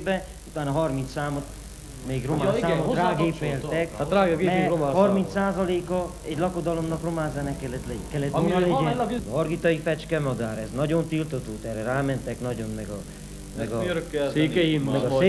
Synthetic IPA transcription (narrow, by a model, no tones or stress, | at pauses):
bɛ | ut̪aːnɒɦɒrmint̪saːmot̪ | meːɡromansaːmoraːɡeːpelt̪ɛkaraːɡɡeɛɾomːhɒrmint̪saːzɒleːkɒ | ɛɟlɒko̞d̪ɒlo̞mnɒkromaːzɛnɛkːɛlɛt̪lɛkɛlːɛt̪onɔlɛlɒrɡit̪ɒjifɛt͡ʃkɛmɒd̪aːɾɛznɒɟont̪ilt̪ot̪oːt̪ɛːrɛɾaːmɛnt̪ɛknɒɟo̞nmɛɡɒ | mɛɡɒɾkːɛseːkɛjimmɛɡɒs